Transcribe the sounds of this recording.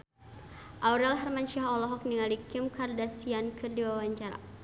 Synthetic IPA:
ʔauɾɛlɦarmanʃiɦaɔlɔɦɔk̚niŋalikɪmkardasiankɨrdiwawaɲt͡ʃaɾa̰

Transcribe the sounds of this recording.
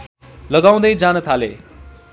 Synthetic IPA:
lʌɡaw̃d̪ʌjd͡zanʌt̪ʰalḛ

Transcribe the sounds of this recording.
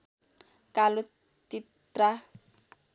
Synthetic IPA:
kalo | t̪i | t̪ɾa

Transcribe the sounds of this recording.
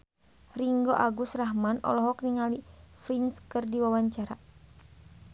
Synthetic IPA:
riŋɡoʔaɡusraɦmanɔ̰lɔɦɔkniŋalifɾinskɨrdiwawaɲt͡ʃaɾa

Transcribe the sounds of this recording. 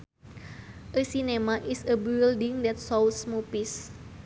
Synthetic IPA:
ʔəsinemaʔisəbildiŋdɛt̪sɔlsmupis

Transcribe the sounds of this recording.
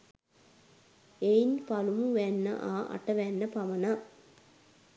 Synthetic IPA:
ejnpɐlumuʋenːɐ̰ʔaːʔɐ̰ʈːɐʋenːɐpɐʋɐna

